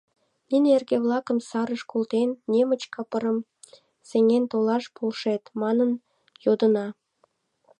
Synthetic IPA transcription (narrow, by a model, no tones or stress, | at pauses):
ninʲerɣeβlɑkəmsɑɾəʃkolt̪enːemət͡ɕkɑpəɾəm | seŋent̪olɑʃpolʃet̪mɑnən | jod̪ənɑ